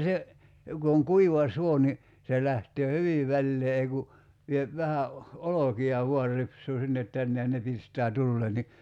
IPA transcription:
se ku oŋ kuiʋɑ suo ni se læhtøː hyʋi ʋælːeː ei ku ʋiep ʋæhæ o olokiɑ ʋuɑr ripsˑuː sinːet tænːe jɑ ne pistˑæː tulːeː ni

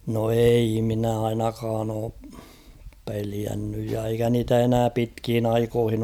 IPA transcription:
no ei minæ ɑinɑkɑːn oː peliænːyj jɑ eikæ niːtæ enæː pitkhin ɑikohin

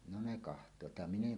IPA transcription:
no ne kɑhtˑoːt jɑ min eŋ

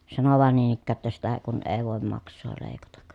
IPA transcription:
sɑno ʋɑˑen niːn ikːæː tːæ sitæ kun eˑi̯ ʋoˑem mɑksˑoː leˑi̯kɑtɑk

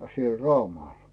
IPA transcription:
siel rɑumɑˑl

